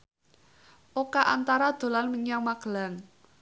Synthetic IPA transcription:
ʔokaʔant̪aɾad̪̥o̤lanməɲaŋmaɡ̥əlaŋ

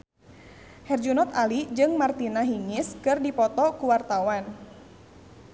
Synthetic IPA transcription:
hɛrd͡ʒunɔt̪alid͡ʒɨŋmart̪inaɦiŋɪskɨrdipɔt̪ɔkuwart̪awan

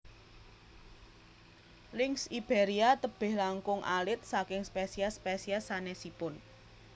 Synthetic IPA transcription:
lɪŋsib̥eɾiat̪əb̥ɪ̤hlaŋkʊŋʔa̰lɪt̪̚sakɪŋspesiaspesiasanesipʊn

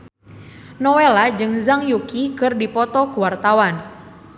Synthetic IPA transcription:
nɔwelad͡ʒɨŋzaŋjukikɨrdipɔt̪ɔkuwart̪awan

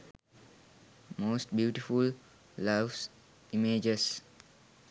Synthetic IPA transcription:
moːsʈbjuːʈiful | laʋs | imeːd͡ʒes

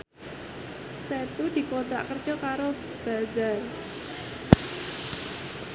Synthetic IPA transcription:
set̪ud̪̥i̤kot̪a̰ʔkər̥ʒ̥ɔ̤kaɾo | b̥a̤d͡ʒar

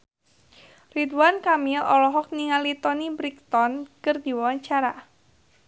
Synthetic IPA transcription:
rit̪uwankamilɔlɔɦɔk̚niŋalit̪ɔnibɾik̚t̪ɔnkərd̪iwawaɲt͡ʃaɾa

